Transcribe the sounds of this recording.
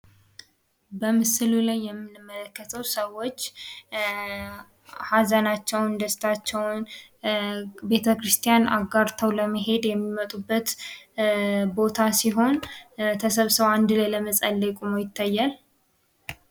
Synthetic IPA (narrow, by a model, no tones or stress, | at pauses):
bəmɨsɨlulajːɛmːɨnɨmːələkːət̪ʰəwsəwo̞t͡ʃː | hazənat͡ʃːɛwnd̪əst̪ʰat͡ʃːɛwn | be̞t̪ʰəkɾɨst̪ʰijana̰ɡaɾt̪ʰəwləməɦe̞d̪jɛmːimət̪ʼubːət̪ | bo̞t̪ʰasiɦo̞nt̪ʰəsəβsəβand̪ɨlajləməsʼəlːəkʼumojɪt̪ʰːajːal